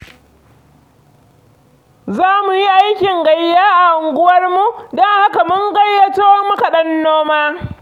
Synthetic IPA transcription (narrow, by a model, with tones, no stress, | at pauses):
zaː˦mu˨ji˦ʔa˦jkʲɪ˨ŋɡɐ˨jːaː˦ʔa˨ʔʊ˨ŋɡʷʊ˦wɐ˦rmu˦dɔ˦ŋha˦ka˨mʊ˦ŋɡɐ˦jːɐ˦toː˦mʊ˦ka˨ɗɐ˦nːoː˦maː˦